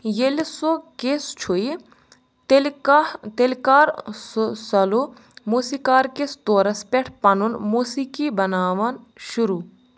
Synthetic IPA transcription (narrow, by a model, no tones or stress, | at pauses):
jelsokest͡ʃʰoi | lt̪elkaːɾ | sɐlo | muːsiːkaːɾkest̪oːɾɐspʲɛʈʰpɐnunmuːsikibɐnaːʋɐnʃʊɾuː